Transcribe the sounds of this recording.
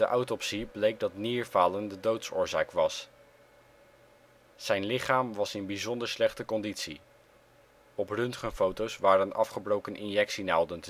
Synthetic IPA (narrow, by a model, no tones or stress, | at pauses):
dəʔɑwtɔpsiblejk̚dɑtniːɹvaːləndədowtsʊ̰ːɹzaːkʋɑs | z̥ɛjnlɪχaːmʋɑsɪnbizɔndəɹslɛχtəkɔnditsi | ɔprɵntχənfowtowsʋaːɾənɑfχəbrowkənʔɪnjɛksinawˠdənt